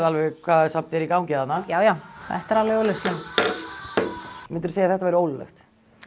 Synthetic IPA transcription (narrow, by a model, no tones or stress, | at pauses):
ðalvɛkʰvaːðɛsam̥t̪ɛɾikawŋcɪaðanːajaːwjawθɛ̰ht̪aɾalvɛowlɛst̪lɛm | mɪnt̪ʏɾ̥seːjaθɛht̪avajɾɪoːwlɪlɛ̰xt̪